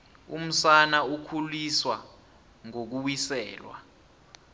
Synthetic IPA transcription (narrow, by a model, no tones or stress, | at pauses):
ṵm̩sanaukʰuliswa̰ | ŋok̬uwisɛ̰ːlwa̰